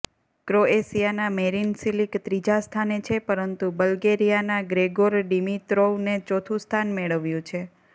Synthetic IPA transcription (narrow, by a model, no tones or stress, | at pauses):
kɾoesijanameɾinsilikt̪ɾid͡ʒast̪ʰanet͡ʃʰepəɾənt̪ubəlɡeɾijanaɡɾeɡoɾɖimit̪ɾoʋnet͡ʃot̪ʰũst̪ʰanmeɭəʋjũt͡ʃʰe